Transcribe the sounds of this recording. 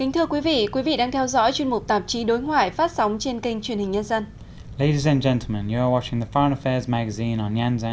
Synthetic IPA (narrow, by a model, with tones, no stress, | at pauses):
kï˨˦ŋ̟t̪ʰɨ˧əkwi˨˦vḭ˧˨kwi˨˦vḭ˧˨ɗaː˧ŋt̪ʰɛ˧wzɔ̰˧˥jt͡ɕwi˧ənmʊ˨˩k͡p̚t̪aː˨˩p̚t͡ɕi˨˦ɗo˨˦jŋwaː˧˩jfaː˦˥t̚sa˨˦wŋ͡mt͡ɕe˧nki˧ŋ̟t͡ɕwi˧˩ənhï˨˩ŋ̟ɲə˧nzə˧n | leɪɾizə̃nd͡ʒɛ̃ntʰˡl̩ˠmə̃njəəwɑt͡ʃɪ̃ŋðəfɔɹə̃nəfɛːzmaɡəzĩnə̃njãnz